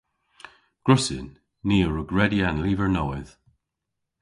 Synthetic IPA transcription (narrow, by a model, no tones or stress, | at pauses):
ɡ̥ɹʊsɪ̰nː | iːəɹəɡɹɛdianliːvəɹnɔːɪð